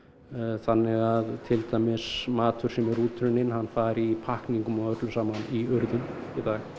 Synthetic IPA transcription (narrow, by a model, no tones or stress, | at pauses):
θanːɪɣaðt̪ʰɪlt̪ajmɪsmaːt̪ʏɾ̥sɛmɛɾuːt̪ʰɾʏnɪnɦanːfaːɾipʰahkniŋkʏmɔɣœt̪lʏsaːmaniʏɾðʏmiθaːx